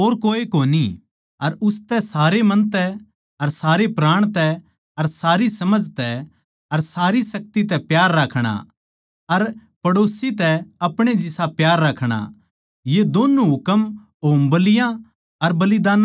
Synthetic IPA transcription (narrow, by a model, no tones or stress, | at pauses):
oːɾkoːekoːni | ɐɾʊst̪ɛsaːɾemɐ̃nt̪ɛ | ɐɾsaːɾepɾaːɽ̃t̪ɛ | ɐɾsaːɾisɐməd͡ʒʱt̪ɛ | ɐɾsaːɾisɐk̚t̪it̪̬ɛpjaːɾːaːkʰɽ̃a̰ | ɐɾpɐɽoːsit̪ɛɐpɽ̃ed͡ʒɪsapjaːɾːaːkʰɽ̃a̰ | jed̪oːnuɦʊkəm | oːmbɐlɪjã | ɐɾbɐlid̪aːn